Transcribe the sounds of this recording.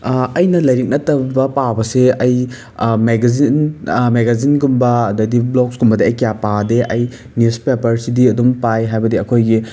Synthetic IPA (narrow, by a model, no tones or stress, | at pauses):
ɐjnɐlɐjɾik̚nɐtɐbɐpabɐseɐj | meɡzinmeɡazinɡumbɐdɐdibloksɡumbɐdiɐjkijapadeʔɐj | nispepɐɾsidiɐdumpajɦajbɐdiɐkʰojɡi